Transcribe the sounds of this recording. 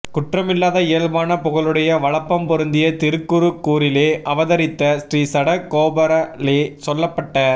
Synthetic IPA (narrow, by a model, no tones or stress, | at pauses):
kʊʈrɐmɪlːaːðɐeːɻbaːnɐpʊɣɐɭɯɽɐjɐʋɐɭɐpːɐmpɔɾɯnd̪ɪjɐt̪ɪɾɯkːɯɾɯkːuːɾɪleːʔɐʋɐðɐɾɪt̪ːɐsɾiːsɐɽɐkoːbɐɾɐleːsɔlːɐpːɐʈːɐ